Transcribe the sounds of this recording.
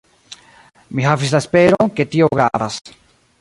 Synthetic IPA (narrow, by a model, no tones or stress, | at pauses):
miɦavis̬laespe̞ɾonke̞tio̞ɡɾaavas